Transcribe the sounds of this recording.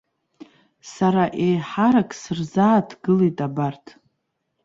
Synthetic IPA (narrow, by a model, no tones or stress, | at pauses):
saɾaʔejħaɾakʼsɨrzaːtʰɡɨlejtʼabartʰ